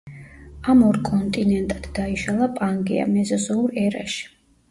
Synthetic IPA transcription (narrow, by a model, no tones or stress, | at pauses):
amɔɾkʼɔnt̪ʼinɛnt̪ʼad̪̥d̪aiʃalˠapʼaŋɡḭa̰mɛzɔzɔuɾɛɾa̰ʃi̥